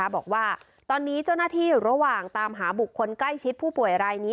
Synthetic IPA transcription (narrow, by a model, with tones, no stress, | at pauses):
a˦˥bɔː˨˩k̚waː˥˩ | t̪ɔː˧nːiː˦˥t͡ɕa˥˩wnaː˥˩t̪ʰiː˥˩ɾa˧waː˨˩ŋt̪aː˧mɦaː˩˦bu˨˩kʰːo˧nkla˥˩jt͡ɕʰi˦˥t̪̚pʰuː˥˩pu˨˩əjɾaː˧jniː˦˥